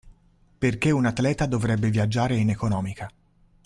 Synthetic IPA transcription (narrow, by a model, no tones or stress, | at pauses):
perkeunat̪ːlɛːt̪ad̪ovɾɛbːevjad͡ʒːaːɾeinekonɔːmika